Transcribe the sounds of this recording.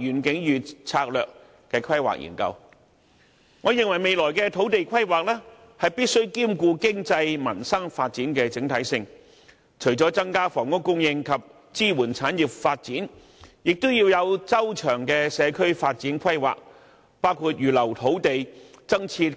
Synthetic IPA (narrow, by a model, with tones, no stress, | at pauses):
jyː˨˩nkɪ˨˥ŋjyː˨tt͡sʰaː˧k̚lœː˨k | kɛː˧kʰɐ˥jwa̰ː˨˩k̚jḭ˨˩nkɐ̰˧w | ŋɔː˨˧jɪ˨ŋwɐ˨˩jme˨jlɔː˨˩jkɛ˧t̪ʰo˨˥wt̪e˨jkʰɐ˥jwaː˨k̚lɛː˥ | hɐ˨jpiː˥t̚sɵ˥ɥkiː˥mkuː˧kɪ˥ŋt͡sɐ˧jmɐ˨˩nsɐ˥ŋfaː˧t̚t͡siː˨˥nkɛː˧t͡sɪ˨˥ŋt̪ʰɐ˨˥jsɪ˧ŋ | t͡ʃʰɵ˨˩ɥt͡sɔː˨˥t͡sɐ˥ŋkaː˥fɔː˨˩ŋʊ˥ŋkʊ˥ŋjɪ˧ŋkʰɐ˨p̚ | t͡siː˥wuː˨˩nt͡sʰaː˨˥nji˨p̚faː˧t̚t͡siː˨˥n | jɪ˨k̚t̪ʊ˥wjiː˧wjɐ˨˧wt͡sɐ˥wt͡ʃʰœː˨˩ŋkɛ˧sɛː˨˧kʰɵ˥ɥfaː˧t̚t͡siː˨˥nkʰɐ˥jwa̰ː˨k̚ | paː˥wkʰuː˧t̚jyː˨lɐ˨˩wt̪ʰo˨˥wt̪e˨jt͡sɐ˥ŋt͡sʰiː˧t